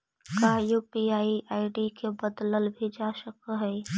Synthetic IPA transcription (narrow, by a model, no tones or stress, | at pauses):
kajuːpiaːiʔaːɪɖikebəd̪ləlbʱid͡ʒaːʃəkɦɛː